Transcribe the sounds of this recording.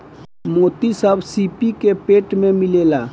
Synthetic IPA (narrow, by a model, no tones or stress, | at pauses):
moːt̪isəːbsiːpikepeːʈmẽmɪleːlaː